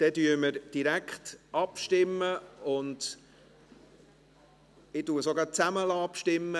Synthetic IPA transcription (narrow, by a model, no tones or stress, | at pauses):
d̥ɛdyəməɾd̥iɾækχtʔɑpʃtɪmːəʊnd̥ | ɪtuːɾsoɡɑt͡sæməlɑːpʃtɪmːə